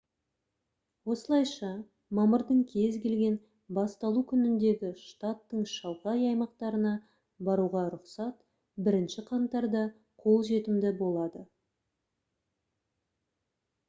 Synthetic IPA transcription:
wo̞səlˠɑjʃɑ | mɑməɾd̪əɴkʲʰe̞zɡʲe̞lɡʲe̞n | bɑst̪ɑlˠukʲʰʏnɪnd̪e̞ɡʲɪʃt̪at̪ːəɴʃɑlˠʁɑjɑjmɑqt̪ɑɾənɑ | bɑɾuʁɑɾʊqsɑt̪ | bɪɾɪnʃɪqʰɑnt̪ːɑɾd̪ɑ | qʰo̞lˠʒe̞t̪ɪmd̪ɪbo̞lˠɑd̪ə

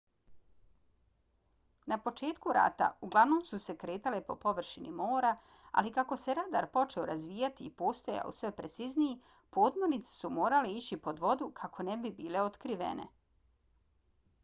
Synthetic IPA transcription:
napo̞t͡ʃe̞ːt̪kuɾa̰ːt̪a̰uɡlˠaʋnomsuse̞kɾe̞ːt̪alepo̞po̞ʋr̩ʃinʔimo̞ːɾa | a̰likako̞se̞ɾad̪a̰ɾpo̞t͡ʃe̞oɾazʋiːjat̪iːpo̞ːst̪oja̰o̰sʋe̞pɾet̪sizniji | poːd̪moɾnit̪se̥sumo̞ːɾaleit͡ɕipo̞d̪ʋo̞d̪ukʰakʰo̞nebibiːle̞ot̪kɾiʋḛne̞̰

